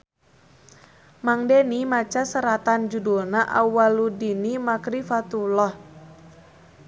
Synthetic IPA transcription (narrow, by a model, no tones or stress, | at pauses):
maŋdenimat͡ʃasəɾat̪and͡ʒudulnaʔawaludinimakɾifat̪ulɔh